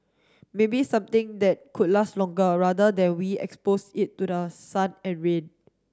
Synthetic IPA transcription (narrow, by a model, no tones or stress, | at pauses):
mebisãmt̪ɪ̃ŋdɛt̚kʰud̚laslɔ̃ŋɡəɹadədɛ̃nwiɛ̰kspositːudəsãnɛ̃nɹẽn